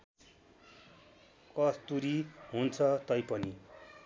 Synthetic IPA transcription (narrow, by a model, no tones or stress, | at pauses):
kʌst̪uɾiɦunt͡sʰʌt̪ʌjpʌni